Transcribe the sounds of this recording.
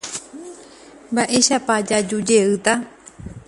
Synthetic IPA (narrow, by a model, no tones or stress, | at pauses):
mbaʔe̞ʃapad͡ʒad͡ʒud͡ʒe̞ɨt̪a